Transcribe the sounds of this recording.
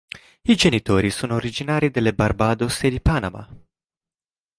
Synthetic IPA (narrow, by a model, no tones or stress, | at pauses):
id͡ʒe̞nit̪o̞ɾisunt̪oɾid͡ʒinaɾid̪e̞le̞barbad̪osejd̪ipana̰ma̰